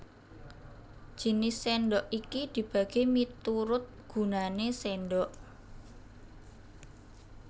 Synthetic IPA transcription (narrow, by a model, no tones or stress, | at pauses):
d̥ʒ̥i̤nɪsːɛnɖɔʔikid̪̥i̤b̥a̤ɡ̥emit̪uɾʊt̪̚ɡ̥ṳnanesenɖɔʔ